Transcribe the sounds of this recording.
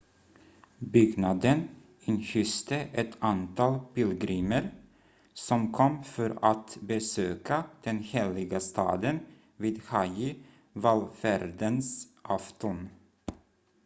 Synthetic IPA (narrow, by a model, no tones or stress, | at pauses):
bʏɡnad̪ən | ɪnçʏst̪əʔɛt̪ʰant̪ʰɑːlpɪlɡɾiːməɾ | sɔmkʰɔmːfœɾat̪bɛsøːkʰad̪̥ɛnheːlɪɡast̪ʰɑ̰ːd̪ən | viːd̪hajɪ | valfæɾd̪ənsʔaft̪ɔn